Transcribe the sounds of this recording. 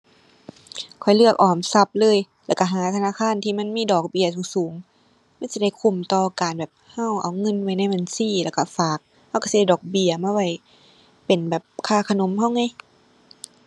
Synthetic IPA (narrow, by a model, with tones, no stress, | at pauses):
kʰɔ˨˩jlɯ˥˩ɐk̚ʔɔː˨˩msa˧˩p̚lɤː˧˥˨j | lɛː˧˩wka˧˩ɦaː˨˦t̪ʰa˧naː˧˥˨kʰaː˧˥˨nt̪ʰiː˧˨ma˧˥˨nmiː˧˥˨dɔː˨˩k̚bi˧˨ɐt̪uː˧˩˦suː˨˦ŋ | ma˧˥˨nsi˧˦a˧˩jkʰu˧˩mt̪ɔː˧kaː˨˩nbɛː˨˩p̚ha˧˥˩wʔa˨˩wŋɤ˧˥˨nwa˧˩jna˧˩˨jma˨nsiː˧˥˨lɛː˧˩wka˧˩faː˨˩k̚ | ha˧˥˩wka˧˩si˧da˧˩dɔː˨˩k̚bi˧˩ɐmaː˧wa˧˩j | pe˨˩nbɛː˨˩p̚kʰaː˧˥˩kʰa˧no˨˧˦mha˧˥˨wŋa˧˩j